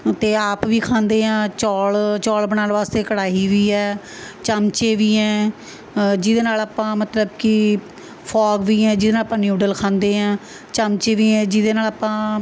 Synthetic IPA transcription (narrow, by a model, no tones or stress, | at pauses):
t̪eːaːpʋiːkʰãːnd̪eːãːt͡ʃɔːlt͡ʃɔːlbəɽaːlʋaːst̪eːkəɽaːiːʋiːɛː | t͡ʃəmt͡ʃeːʋiːɛː | d͡ʒɪd̪eːnaːlaːpãːmət̪ləbkɪ | pʰɔːɡʋiːɛːd͡ʒɪdeːnaːlapãːnjuːɖəlkʰãːnd̪eːãː | t͡ʃəmt͡ʃeːʋiːɛ̃ːd͡ʒɪd̪eːnaːlaːpãː